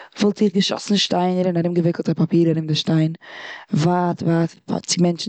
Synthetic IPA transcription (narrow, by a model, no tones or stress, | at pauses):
vɔlˠtiːχɡəʃɔ̰sn̩ʃtaɪnəɾɪnaɾɪmɡəvɪkl̩ˠtapapiːɾaɾɪmdɪʃtaɪnvaːtvaːtpʰa̰t͡sɪmɛnt͡ʃ